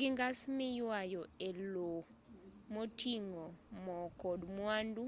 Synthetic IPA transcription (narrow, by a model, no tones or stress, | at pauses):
ɡɪŋɡasmɪjwajɔelo | motiŋɔmɔkɔdmwandu